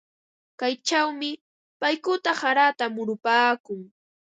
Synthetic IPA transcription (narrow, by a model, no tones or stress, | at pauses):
kajt͡ʃawmɪ | pajkʊt̪ahaɾat̪amʊɾʊpaːkʊŋ